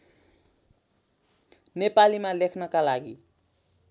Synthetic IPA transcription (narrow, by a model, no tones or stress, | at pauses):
nepalimalekʰnʌkalaɡi